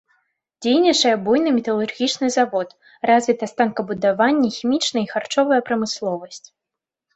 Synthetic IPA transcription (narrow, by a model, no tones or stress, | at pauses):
d͡zʲejnʲɐt͡ʂɐjɐbujnɨmʲɛt̪ɐlˠurɣʲit͡ʂnɨzavɔt̪ | razvʲit̪ɐst̪ankɐbud̪avanʲːɛxʲimʲit͡ʂnɐixart͡ʂɔvɐjɐpɾɐmɨslˠɔvɐsʲt͡sʲ